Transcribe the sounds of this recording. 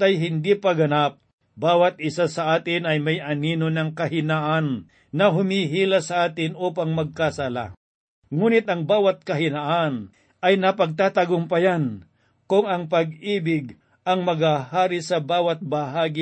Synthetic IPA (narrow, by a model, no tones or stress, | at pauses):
t̪ɐjɦɪnd̪iːpɐɡɐnap̚ | baːwɐt̪̚ʔɪsasɐʔaːt̪ɪnɐjmɐjʔɐniːnonɐŋkɐɦɪnaʔanː | ɐɦʊmiːɦiːlasɐʔaːt̪ɪnʔuːpɐŋmɐɡ̚kɐsala̰ | ŋuːnɪt̪̚ɐŋbaːwɐt̪̚kɐɦɪnaʔan | ʔɐjnɐpɐɡ̚t̪aːt̪ɐɡʊmpɐjan | kʊŋɐŋpɐɡiːbɪɡ | ʔɐŋmɐɡahaːɾɪsɐbaːwɐt̪̚bɐɦaːɡɪ